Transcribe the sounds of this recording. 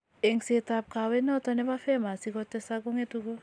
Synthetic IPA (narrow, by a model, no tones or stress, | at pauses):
ɛŋsetap̚kawɛnɔtɔnɛbafɛmasikɔtːɛsakuŋetuko